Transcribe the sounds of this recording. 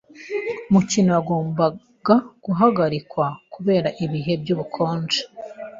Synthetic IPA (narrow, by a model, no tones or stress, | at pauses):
umucinoaɡo̞ːmba | ɡ̥aɡ̥uɦaɡaɾikwakuβe̞ːɾaʔiβiɦe̞b̚ɟuːβukʰo̞ːnd͡ʒe̥